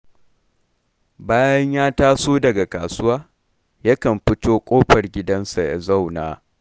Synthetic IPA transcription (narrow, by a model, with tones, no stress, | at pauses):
baː˦jɐ˦ɲjaː˦taː˦soː˦dɐ˨ɡa˨kaː˨sʊ˦waː˦ | jɐ˦kɐ˨mɸɪ˦toː˦kʷʼoː˦ɸɐ˨rɡʲɪ˦dɐ˦nsa˨ja̰˨za˦˨wna̰ː˨